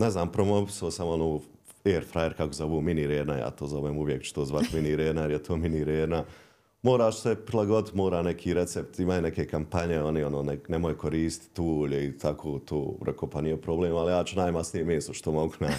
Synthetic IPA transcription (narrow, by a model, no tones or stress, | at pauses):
neznaːmpɾomoʋisoːsamonoː | eːɾfɾajeɾkakozoʋoːminiɾeːɾnaja̰ːt̪oːzoʋeːmuʋjekt͡ʃu̥t̪oːzʋat̪miniɾeːɾnajeɾjet̪ʰoːminiɾeːɾna | moːɾaːʃsepɾilˠaɡo̞d̪it̪moːɾaːnekʰiːɾet̪sept̪imaːjonekekampaɲeo̞nionoːnenemojkʰoɾiːst̪t̪uːʎeit̪ʰakʰoːt̪ʰoːɾɛ̰kopanijepɾobleːmaljaːt͡ʃunaːjmasnijemeːsoʃt̪omo̞ɡuna